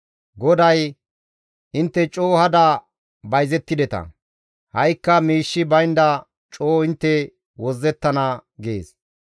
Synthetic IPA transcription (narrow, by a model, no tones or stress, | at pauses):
ɡɔd̪ɐj | ʔɪnt̪ːɛt͡ʃʼoːhɐd̪ɐ | bɐjzɛt̪ːɪd̪ɛt̪ɐ̰ | hɐjkːɐmiːʃːɪbɐjnd̪ɐ | t͡ʃʼoːɪnt̪ːɛ | wɔzːɛt̪ːɐnɐɡḛːs